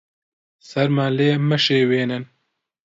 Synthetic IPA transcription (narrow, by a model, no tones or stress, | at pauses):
sɐɾmaleːmɐʃeːweːnɨn